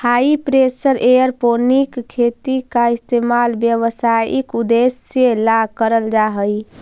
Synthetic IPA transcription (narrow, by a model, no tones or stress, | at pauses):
haipɾesəɾejəɾponikkʰet̪ikaist̪emalbjəʋsaḭkud̪esːelakəɾəld͡ʒaɦəj